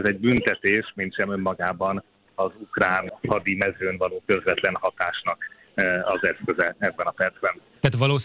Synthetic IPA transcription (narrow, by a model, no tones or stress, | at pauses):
zɛɟ̚bynt̪ɛt̪eːʃmint̪ʃɛmø̞mːɒɡaːbɒn | ɒzukraːnhɒd̪imɛzøːnvɒloːkø̞zvɛt̪lɛnhɒt̪aːʃnɒk | ɒzɛskøzɛɛbːɛnɒpɛrd̪zbɛn | t̪aːt̪ʋɒloː